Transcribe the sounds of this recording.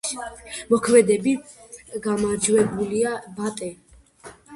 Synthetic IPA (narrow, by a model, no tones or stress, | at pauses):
mɔkʰmɛd̪ɛbiɡamad͡ʒwɛbuliabat̪ʼɛ